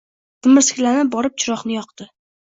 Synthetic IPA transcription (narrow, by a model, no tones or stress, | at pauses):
t̪ʰɪmɪɾsɪ̥kʲlanɪp̚bɒɾɪp̚t͡ʃʰɪɾɒχnɪjɒqd̪̥ɪ